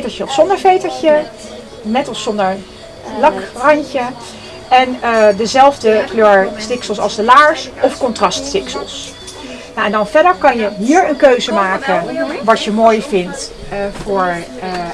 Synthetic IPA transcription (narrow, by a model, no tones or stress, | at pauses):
təɹt͡ʃəɔsɔndəɹvejtəɹcə | nɛtɑlˠsɔndəɹ | lɑkrɑɲcə | ɛndəzɛlˠvdəkløːɹstɪksəlˠsɑ̰lˠzdəlaːɹsɔfkɔntrɑststɪksə̰lˠs | naɛndɑnvɛdəɹkɑnjəɦiːəɹənkøɥzəmaːkənʋɑtjəmoːjvɪnt | vʊːɹ